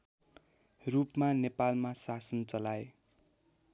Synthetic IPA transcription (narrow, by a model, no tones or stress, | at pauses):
rupmanepalmasasʌnt͡sʌlae